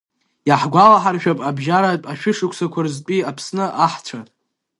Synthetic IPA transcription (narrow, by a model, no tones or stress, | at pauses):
jaħɡʷalaħarʃᶣapʼabʒaɾatʼaʃᶣʊʂɨkʷʰsakʷʰarɨzt͡pʼiapʰsnɨʔaħt͡ʃʷʰatʼ